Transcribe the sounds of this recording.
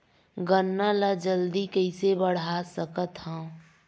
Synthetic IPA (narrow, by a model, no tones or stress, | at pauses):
ɡənːalad͡ʒəld̪ikəɪsebəɽ̤asəkət̪hã